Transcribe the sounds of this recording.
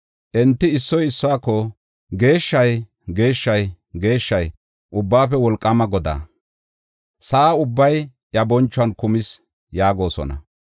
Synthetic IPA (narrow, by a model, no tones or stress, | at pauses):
ʔɛnt̪ːɪɪsːɔjɪsːɔwaːkːɔ | ɡe̞ːʃːɐj | ɡe̞ːʃːɐj | ɡe̞ːʃːɐj | ʔʊbːaːpɛwɔlkʼːɐmɐɡɔd̪a̰ː | saːʊbːɐj | jɐbɔnt͡ʃːʊɐnkʊmɪs | jaːɡo̞ːsɔ̰nɐ̰